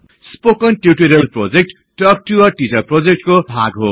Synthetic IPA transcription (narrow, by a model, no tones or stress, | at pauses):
spokʌnʈjuʈiɾʌlprod͡zek̚ʈːʌk̚ʈuʌʈid͡zʌprod͡zek̚ʈkobʱaɡɦo̰